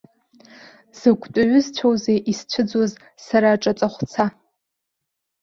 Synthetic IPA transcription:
z̥ɨɡʷʼtʼʊɥʊzt͡ɕʷʰowzejʔist͡ɕʷʰɨd͡zoz | saɾaːʈ͡ʂʼat͡sʼaχʷt͡sʰa

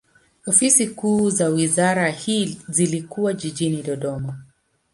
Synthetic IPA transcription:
ɔfisikuːzawizaɾahizilikuwaʄiʄiniɗɔɗɔma

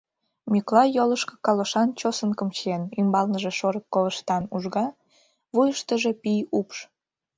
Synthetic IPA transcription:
mʲyklɑjoləʃkɤ̥kɑloʃɑnt͡ɕosənkəmt͡ɕenymbɑlnəʒeʃoɾəkːoβəʃt̪ɑnuʒɣɑ | βujəʃt̪əʒe̽pijupʃ

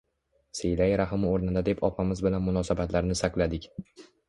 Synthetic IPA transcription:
sejlajɾaɦɪmoɾnɪd̪ad̪e̞pʰɒpʰamɪzbɪlanmʊnɒsabat̪ʰlaɾnɪsaklad̪ɪkʲ

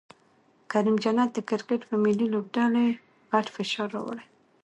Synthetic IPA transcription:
kaɾimd͡ʒanat̪̚d̪əkɪɾkeʈpəmɪlilob̚ɖale | ɣaʈfɪʃɑɾːɑ̰wə̰ɽe

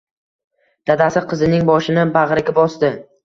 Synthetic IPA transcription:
d̪̥ad̪asɪqʰɨzɪnɪŋbɒʃɪnɪbaʁɾɪɡʲabɒsd̪ɪ

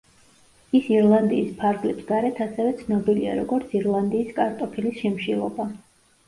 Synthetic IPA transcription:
isiɾlˠand̪iːspʰaɾɡlɛpsɡaɾɛt̪ʰasɛvɛt̪sʰnɔbilia̰ɾɔɡɔɾt̪sʰiɾlˠand̪iːskʼaɾt̪ʼɔpʰilisʃɛmʃilˠɔba

